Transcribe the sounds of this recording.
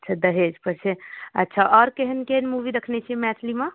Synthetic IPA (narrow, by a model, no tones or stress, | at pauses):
ətːt͡ʃʰad̪əɦed͡ʒpəɾt͡ʃʰeə̰tːʃʰaʔɔɾkeɦənkenmuʋiɾəkʰnɛt͡ʃʰimɛt̪ʰlima